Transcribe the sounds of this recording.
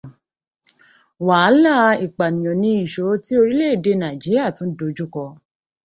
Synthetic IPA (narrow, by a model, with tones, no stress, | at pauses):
wa˨˦la˦i˨k͡pa˨nĩ˨ɔ̃˨nĩ˧˦i˨ʃo˨˦ti˦o˧ɾi˦le˦˨de˧˦nã˨i˨d͡ʒi˨˦ɾi˦a˦˨tũ˨˦do˧˦d͡ʒu˦kɔ˧